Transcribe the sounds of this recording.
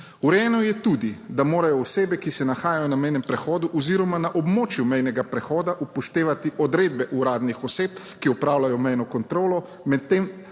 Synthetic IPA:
uɾjɛːnɔjɛt̪uːd̪id̪amoːɾajɔːseːbɛkisɛnaxaːjajɔnamɛjnɛmpɾɛxɔːd̪uʔɔziːɾɔmanaʔɔbmoːt͡ʃjumɛjnɛɡapɾɛxɔːd̪aʔupɔʃt̪eːʋat̪iʔɔd̪ɾeːd̪̚bɛʔuɾaːd̪nixɔseːp̚ | kiɔpɾaːwlajɔmɛjnɔkɔnt̪ɾoːlɔ | mɛt̪ːem

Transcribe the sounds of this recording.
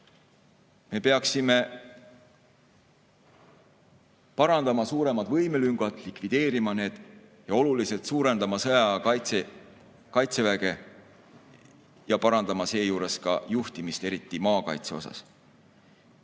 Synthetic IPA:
me̞pe̞ɑksime̞ | pɑɾɑnd̪ɑmɑsuːɾe̞mɑd̪vɤjmelyŋɡ̥ɑt̪ˑlikvid̪̥e̞ːɾimɑne̞ːd̪̥jɑo̞lulise̞lt̪suːɾe̞nd̪ɑmɑsɤjɑɑjt̪se | kɑjt̪se̞væɡe̞ | jɑpɑɾɑnd̪̥ɑmɑse̞ːjuːɾe̞skɑ̰juht̪imist̪e̞ɾit̪ːˑimɑːkɑ̰jt̪se̞o̞̰sɑ̰s

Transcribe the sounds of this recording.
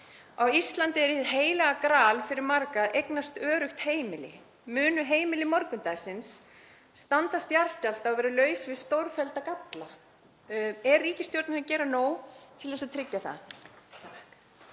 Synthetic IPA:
awist̪lant̪ɪɛɾɪðɦeːjlaɣakɾaːlfɪɾɪɾmaɾkaðʔejknast̪œːɾʏxt̪heːjmɪlɪ̰ | mʏːnʏɦeːjmɪlɪmɔɾkʏnt̪ajsɪnsː | t̪ant̪ast̪jaɾ̥st̪jal̥t̪avɛːɾɪlœːɥsvɪðst̪owɾ̥fɛlt̪akat̪la | ɛrːiːcɪst̪jowɾt̪nɪnacɛːɾanoːwt̪ʰɪlðɛsat̪ʰɾɪcːaθa̰t̪ʰahk

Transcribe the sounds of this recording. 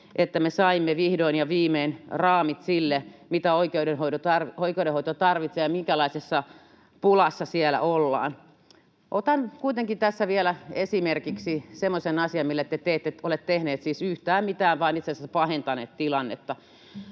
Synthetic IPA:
ʔet̪ːæmesɑimːeʋihdoinjɑʋiːmeːnrɑːmit̪silːemit̪æoikeudenhoiot̪ɑroikeuɾehoit̪ot̪ɑrʋit̪sejɑmiŋkælɑisesːɑ | pulɑsːɑsielæ̰ʔolːɑ̰ːn | ʔot̪ɑnkuit̪eŋkit̪æsːæʋielæesimerkiksisemːosenɑsiɑmmilːet̪ːet̪eːt̪ːet̪olet̪t̪ehneːt̪siːsyht̪æːmmit̪æːʋʋɑːnit̪sesæspɑhent̪ɑnḛːt̪t̪ilɑnːḛt̪ːɑ

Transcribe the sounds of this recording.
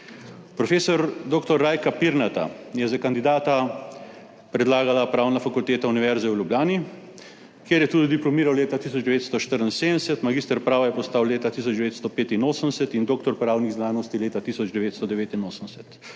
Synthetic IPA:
pɾɔfeːsɔɾd̪oːkt̪ɔɾːaːjkapiɾnat̪a̰jɛzakand̪id̪aːt̪a | pɾɛd̪laːɡalapɾaːwnafakult̪eːt̪auniʋɛɾzɛwljubjaːni | kjeːɾjɛt̪uːd̪id̪iplɔmiːɾawleːt̪at̪is̬ɔd͡ʒd̪ɛʋeːt̪st̪ɔʃt̪əɾnseːd̪ənɛsɛt̪maɡiːst̪əɾpɾaːʋajɛpɔst̪awleːt̪at̪is̬ɔd͡ʒd̪ɛʋet̪st̪ɔpeːt̪inoːsənd̪ɛsɛt̪ind̪oːkt̪ɔɾpɾaːwniɣznaːnɔst̪ileːt̪at̪isɔd͡ʒd̪ɛʋeːt̪st̪ɔd̪ɛʋeːt̪inoːsənsɛt̪

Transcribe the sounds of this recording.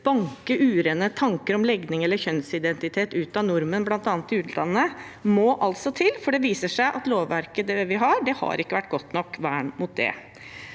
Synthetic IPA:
b̥ɑŋkəʔʉːɾeːnət̪ʰɑŋkəɾɔmlɛɡnɪŋɛlːəçœnsɪd̪ɛnt̪ɪt̪ʰeːt̪ʉːt̪ɑnʊɾmənblɑnt̪ɑːnət̪ɪʉːt̪ʰlɑ̰nːəmɔːʔɑlt̪sɔt̪ʰɪlːfɔɖɛʋiːsəʂæɪʔɑt̪loːʋːæɾkəd̪ɛʋɪɦɑɖɛhɑ̰ɾɪkːəʋæʈːɡɔt̪nɔkːʋæːɳmʊt̪̚d̪ɛ̰

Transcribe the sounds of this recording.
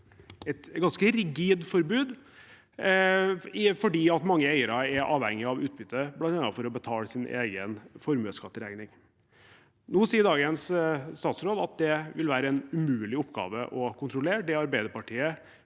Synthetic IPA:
ɛt̪ɡɑnskəɾɪɡiːd̪fɔɾbʉːd̪ | ɪfɔɖiːɑt̪mɑŋːəæɪəɾɑɛɾʔɑ̰ːʋhɛŋːɪɑʋʉːt̪̚bʏt̪ʰːəblɑnt̪ɛnːɑfɔɾɔbət̪ʰɑːləsɪnʔḛːɡənfɔɾmʉəskɑt̪ːəɾæŋnɪŋ | nuːsiːəɖ̪ɑːɡənsst̪ɑːt̪sɾoːd̪ɑt̪̚d̪ɛʋɪlʋæːɾəɛnʉmʉːlɪʊpːɡɑ̰ːʋə̰ʔɔkʰʊnt̪ɾʊleːɖɛɑɾbæɪd̪əpɑʈʰiːə

